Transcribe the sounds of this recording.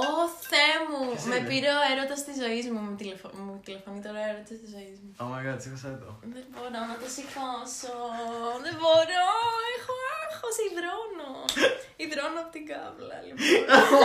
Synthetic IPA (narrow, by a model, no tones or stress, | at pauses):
oθemumepiɾeoeɾot̪ɐst̪izo̞izmumt̪ilefomut̪ile̞fo̞nit̪eɾoeɾot̪isɐst̪izo̞izmuomɐɣɐt̪isikosɐt̪o̰ðebo̞ɾonɐt̪osixosoðeboɾoexoexosiðɾonoiðɾonoɐpot̪iŋɡɐ̰vlɐ̰li